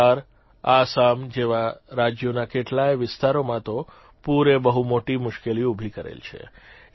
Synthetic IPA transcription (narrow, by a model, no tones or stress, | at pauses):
aɾ | asamd͡ʒeʋaɾad͡ʒjonakeʈlajʋɪst̪aɾomãt̪o | puɾebəɦumoʈimʊʃkeliubʱikəɾḛlt͡ʃʰḛ